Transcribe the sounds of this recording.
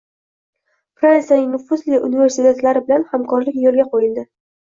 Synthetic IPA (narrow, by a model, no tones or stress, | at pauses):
pɾansijanɪŋnʊfʊzlɪʔʊnive̞ɾsɪt̪ʰe̞t̪laɾɪbɪlanhamkʰɒɾlɪkʲjolˠɡʲaqʰojɪld̪ɪ